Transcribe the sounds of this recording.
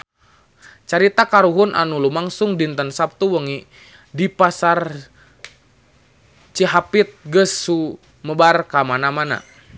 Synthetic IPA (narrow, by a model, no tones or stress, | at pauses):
t͡ʃaɾit̪akaɾuɦunʔa̰nulumaŋsuŋdint̪ənsap̚t̪uwəŋi | dipasar | t͡ʃiɦapit̪̚ɡəsːu | məbarkamanamana̰